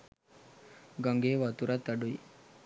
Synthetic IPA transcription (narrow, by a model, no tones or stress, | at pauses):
ɡɐŋɡeːʋat̪uɾat̪ːɐɖui